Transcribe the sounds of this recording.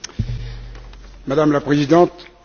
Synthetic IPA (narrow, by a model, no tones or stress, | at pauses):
mad̪amlapχezid̪ɑ̃t̪